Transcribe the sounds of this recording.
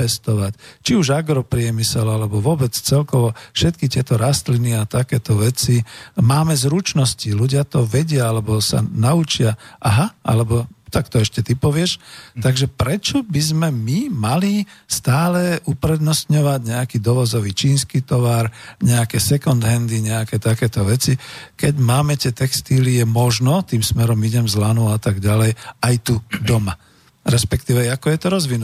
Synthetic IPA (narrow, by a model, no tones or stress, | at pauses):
pɛst̪ɔʋact͡ʃiuʒaɡɾɔpɾɪɛmisɛlalɛbɔʋʊɔbɛt͡st͡sɛlkɔʋɔfʃɛt̪̚kit̪ɪɛt̪ɔɾast̪liniat̪akɛːt̪ɔʋɛt͡simaːmɛzɾut͡ʃnɔsciluɟɪat̪ɔʋɛɟɪaalɛbɔsa̰naut͡ʃɪaʔaɦaʔa̰lɛbɔt̪akt̪ɔɛʃcɛt̪ipɔʋɪɛʃt̪aɡʒɛpɾɛt͡ʃɔbizmɛmimalist̪aːlɛʔupɾɛd̪nɔst̪ɲɔʋaɟɲɛakiːd̪ɔʋɔzɔʋiːt͡ʃiːnskiːt̪ɔʋaɾɲɛakɛsɛkɔnd̪ɦɛnd̪iɲɛakɛt̪akɛːt̪ɔʋɛt͡sikɛɟmaːmɛt̪ɪɛt̪ɛkst̪ilijɛmɔʒnɔt̪iːmsmɛɾɔmiɟɛmzlanuat̪aɡɟalɛjajt̪ud̪ɔma | ɾɛspɛk̚t̪iːʋɛakɔjɛt̪ɔɾɔzʋinu